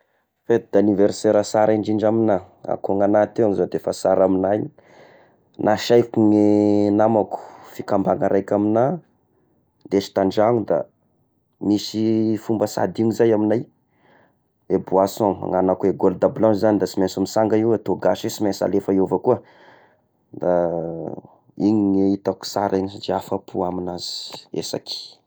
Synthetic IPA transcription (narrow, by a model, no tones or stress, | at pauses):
fet̪̚d̪̥aniveɾseɾasaɾaiɳɖ͡ʐiɳd͡ʒamina | a̰koŋanat̪eaŋizad̪efasaɾaminajɲ | nʔaʃajkuŋenamaku̥fikambaŋaɾʔajkʲamina | d̪eʃi̥t̪aɳɖ͡ʐaŋud̪a̰ | misifumbəsa̰d̪iɲizajaminaj | ebuasɔ̰̃ŋanakueɡold̪ablɔ̃izanid̪asimensumisaŋɡaiwet̪oɡasesimansa̰lefaiovəkuə | d̪a | iɲiŋeit̪aku̥saɾʔaɲid͡ʒeafapʰuaminaz̥i̥ḛsa̰ki̥